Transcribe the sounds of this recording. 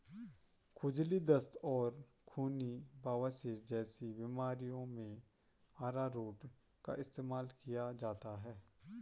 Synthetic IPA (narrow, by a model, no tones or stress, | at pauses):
kʰʊd͡ʒlid̪əst̪ɔːɾ | kʰuːnibaːʋasɪɾd͡ʒɛːsibɪmaːɾijõmẽ | aːɾaɾoːʈ | ka̰ʔɪst̪eːmaːlkijad͡ʒaːt̪aɦɛː